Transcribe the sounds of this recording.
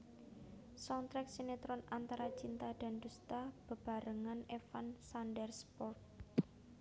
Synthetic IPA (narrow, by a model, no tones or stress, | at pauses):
sant̪ɾɛk̚senet̪ɾɔnant̪aɾat͡ʃint̪ad̪̥a̤nd̪ust̪ab̥ə̤b̥a̤ɾəŋanefansandɛrspɔrt̪̚